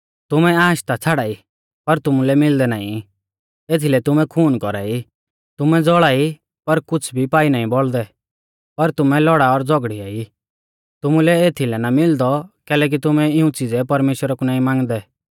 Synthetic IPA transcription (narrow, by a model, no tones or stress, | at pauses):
t̪ʊmɛaːʃt̪at͡sʰaːɽaːi | pɐɾt̪ʊmulɛmɪld̪ɛnaːḭ̃ | eːt̪ʰilɛt̪ʊmɛ̃kʰuːnkɔɾa̰ːi | t̪ʊmɛd͡zɔɭaːi | pɐɾkʊt͡sʰbʱipaːinaːĩbɔld̪ɛ | pɐɾt̪ʊmɛ̃lɔɽaɔɾd͡zɔɡɽiaːi | t̪ʊmũlɛeːt̪ʰilɛnamɪld̪ɔkɛːlɛːk̬it̪ʊmɛ̃ɪũt͡sid͡zɛpɐɾmeːʃwəɾakunaːĩmãːŋɡd̪ɛ